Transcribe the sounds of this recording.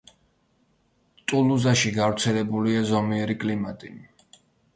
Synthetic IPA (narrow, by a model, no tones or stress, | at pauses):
t̪ʼuluzaʃiɡavɾt̪sʰɛlɛbuliazɔmiɛɾikʼlimat̪ʼi